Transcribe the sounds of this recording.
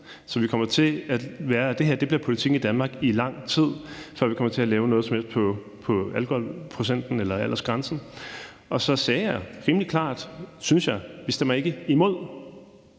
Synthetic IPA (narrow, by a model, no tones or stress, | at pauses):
sɒ̽ʋikʰɒ̽m̰ɐt͡sʰe̝æ̥ʋæːɐd̥e̝ɦeɐ̰d̥e̝b̥liɐpʰo̝lit͡sʰiɡ̥n̩id̥ænmɑ̈ːɡ̥ilɑ̈ŋ̰t͡sʰið̞̰ˠfɶ̰ɐ̰ʋikɒ̽m̰ɐt͡sʰe̝ælɛːʊnɔ̽ːð̞̩ˠsmhel̰sd̥̚pʰɒ̽ | pʰɒ̽ælkʰohɒlpʰʁosen̰d̥n̩elɐæl̰ʔɐsɡ̥ʁɑ̈nsn̩ | ʔɒ̽sɒ̽sɛːjɑ̈ɪʁiːməlikʰlɑ̰̈ːd̥synsjɑ̈ɪʋisd̥em̰ɐe̝ɡ̥əimo̝ð̞̰ˠ